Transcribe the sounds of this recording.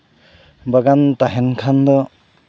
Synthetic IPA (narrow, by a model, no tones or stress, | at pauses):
baɡantaɦenkʰand̪ɔ